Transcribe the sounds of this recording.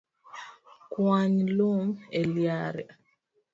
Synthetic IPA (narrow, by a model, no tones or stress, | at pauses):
kwaɲlumeljaɾɛ